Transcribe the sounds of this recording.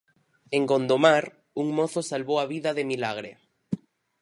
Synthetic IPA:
eŋɡond̪omaɾ | uŋmoθosalβowaβiðaðemilaɣ̞ɾḛ

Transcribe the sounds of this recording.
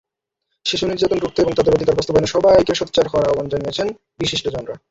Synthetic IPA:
ʃiʃuniɾd͡ʑat̪onɾuk̚t̪ʰːoeboŋt̪od̪eɾod̪ikaɾbɔst̪obajneʃɔbajkeʃot̪̚ːt͡ɕaɾkɔɾaɔbond͡ʑanijet͡ɕʰen | biʃiʃʈod͡ʑɔnɾa

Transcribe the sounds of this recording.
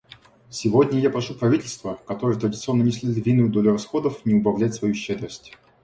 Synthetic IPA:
sʲɪvodʲnʲəjapɾɐʂupɾɐvʲitʲɪlʲst̪vəkɐt̪oɾɨjət̪ɾədʲɪt̪sɨo̞nːənʲɪsʲlʲɪd̪ʲt̪vʲinʊjʊd̪o̞lʲʊrɐsxo̞d̪əfnʲɪʊbɐvlʲætʲsvɐjuɕːed̪ɾəsʲtʲ

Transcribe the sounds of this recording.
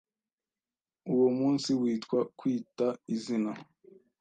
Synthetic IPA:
uwomuːnsiwiːtkwakwiːtaizina

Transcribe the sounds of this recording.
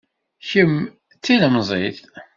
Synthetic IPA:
çəm | t͡sːiləmzˤeθ

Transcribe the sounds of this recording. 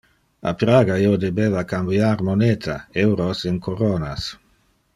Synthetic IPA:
a̰pɾaːɡaiːod̪ebeːvakambjaɾmoneːt̪ʰaewɾosiŋkʰoɾoːna̰s

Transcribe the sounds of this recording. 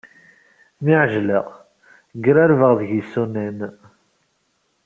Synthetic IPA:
niʕʒləʁ | ɡɾæɾvəʁðəʝisunæn

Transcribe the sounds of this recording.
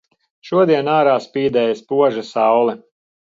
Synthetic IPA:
ʃuɔd̪iɛnaːɾaːspiːd̪ɛːjaspuɔʒasɑwlˠɛ

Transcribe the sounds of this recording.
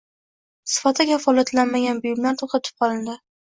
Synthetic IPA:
sɪ̥fat̪ʰakʲafɒlˠat̪lanmaɡʲanbʊjʊmlaɾt̪ʰoqt̪ʰat̪ʰɪ̥p̚qʰɒlˠɪnd̪ɪ

